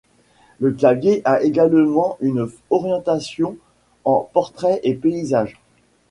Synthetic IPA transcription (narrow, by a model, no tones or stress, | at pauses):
ləklavjeʔaʔeɡalmɑ̃ʔynɔʁjɑ̃t̪asjɔ̃ | ɑ̃pɔʁt̪χɛʔepeizaʒ